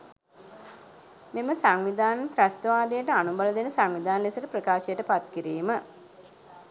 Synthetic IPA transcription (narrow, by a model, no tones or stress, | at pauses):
meməsaŋʋid̪ʱaːnnt̪ɾast̪əʋaːd̪ejəʈəanubaləd̪enəsaŋʋid̪ʱaːnlesəʈəpɾəkaːʃejəʈəpat̪kiɾiːmə